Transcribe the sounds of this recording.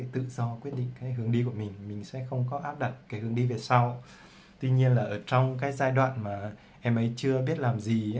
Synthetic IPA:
jt̪ɨ̰˧˨z̥ɔ˧kwi˦˥ət̚ɗḭ˧˨ŋ̟kaː˨˦jɦɨ˨˦əŋɗi˧ku˧˩əmï˨˩ŋ̟mï˨˩ŋ̟sɛ̰˧˥xə˧wŋ͡mk̬ɔ˨˦ʔaː˦˥p̚ɗa˨˩t̚kaː˨˦jhɨ˨˧˦əŋɗi˧ve˨˩sa˧w | t̪wi˧ɲi˧ənlaː˨˩ʔəː˧˩t͡ɕɔ˧wŋ͡mk̬aː˨˦jzaː˧jɗwa̰ː˧˨nmaː˨˩ | ʔɛ˧mʔə˨˦jt͡ɕɨ˧əɓi˦˥ət̚laː˨˩mzi˨˩˦

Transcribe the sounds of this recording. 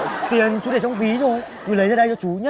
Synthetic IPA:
t̪i˨˩ənt͡ɕu˨˦ɗe˧˩t͡ɕɔ˧wŋ͡mvi˨˦zo˨˩j | ku˨˩˦lə˨˦za˧ɗjzɔ˧˦t͡ɕu˨˦ɲə˦

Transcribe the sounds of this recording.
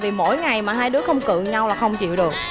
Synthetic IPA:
vi˨˩mo̰˧˥jŋa˨˩jmaː˨˩ɦaː˧jɗɨ˨˦˥əxə˧wŋ͡mkɨ̰˧˨ɲa˧wlaː˨˩xə˧wŋ͡mt͡ɕḭ˧˨wɗɨ˨˩ək̚

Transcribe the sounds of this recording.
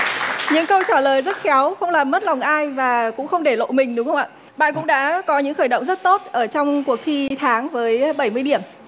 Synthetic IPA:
ɲɨ̰˧˥ŋkə˧wt͡ɕaː˧˩ləː˨˩jzə˦˥t̚xɛ˨˦wxə˧wŋ͡mlaː˨˩mːə˦˥t̚la˨˩wŋ͡mʔaː˧jvaː˨˩kʊ̰˧˥ŋ͡mxə˧wŋ͡mɗe˧˩lo̰˧˨jmï˨˩ŋ̟ɗʊ˨˦xə˧ŋ͡mʔa̰ː˧˨ | ɓa̰ː˧˨nkʊ̰˧˥ŋ͡mɗa̰ː˧˥kɔ˨˦ɲɨ̰˧˥ŋxəː˧˩jɗə̰˧˨wŋ͡mzə˦˥t̚t̪o˦˥t̚ʔəː˧˩t͡ɕɔ˧wŋ͡mku˨˩ək̚t̪ʰi˧t̪ʰaː˨˦ŋvəː˨˦jɓə˧˩jmɨ˧əjɗi˧˩əm

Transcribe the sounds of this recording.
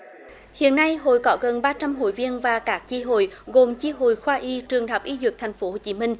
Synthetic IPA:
hḭ˧˨ənːa˧jɦo̰˧˨jkɔ˨˦ɣə˨˩nɓaː˧t͡ɕa˧mɦo̰˧˨jvi˧ənvaː˨˩kaː˦˥k̚t͡ɕi˧ɦo̰˧˨jɣo˨˩mt͡ɕi˧ɦo̰˧˨jxwaː˧ʔi˧t͡ɕɨ˨˩əŋhaː˨˩wk͡p̚ʔi˨˦zwɨ˨˩k̚t̪ʰa˨˩ŋ̟fo˨˦ho˧˨˩t͡ɕi˨˦mï˧ŋ̟

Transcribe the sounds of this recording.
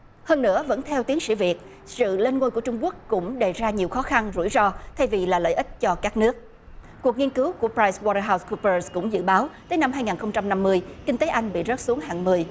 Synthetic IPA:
həː˧nːɨ̰˧˥əvə̰˧˥nt̪ʰɛ˧wt̪i˨˦əŋsḭ˧˥vi˨˩ət̚ | sɨ̰˧˨le˧nŋo˧jku˧˩ət͡ɕʊ˧ŋ͡mku˦˥ək̚ːʊ̰˧˥ŋ͡mɗe˨˩zaː˧ɲi˨˩əwxɔ˨˦xa˧nzṵ˧˩jzɔ˧t̪ʰa˧jvi˨˩laː˨˩lə̰ː˧˨jʔi˦˥t̟̚t͡ɕɔ˧kaː˦˥k̚nɨ˦˥ək̚ | ku˨˩ək̚ŋi˧ənkɨ˨˦wku˧˩əpɾaː˧jswɔ˧ɾəː˧ɦa˧wsku˧pəː˧skʊ̰˧˥ŋ͡mzɨ̰˧˨ɓaː˨˦wt̪əː˨˦jna˧mhaː˧jŋaː˨˩nxə˧wŋ͡mt͡ɕa˧mna˧mːɨ˧əjki˧ŋ̟t̪eː˨˦ʔa˧jŋ̟ɓḭ˧˨zə˦˥t̚su˨˦ŋɦa̰˧˨ŋmɨ˧˩əj

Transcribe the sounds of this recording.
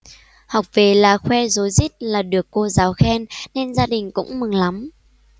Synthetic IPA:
ha˨˩wk͡p̚ve˨˩laː˨˩xwɛ˧zo˨˦jzi˦˥t̚laː˨˩ɗɨ˨˩əkːo˧zaː˨˦wxɛ˧nne˧nzaː˧ɗï˨˩ŋ̟kʊ̰˧˥ŋ͡mmɨ˨˩ŋla˨˦m

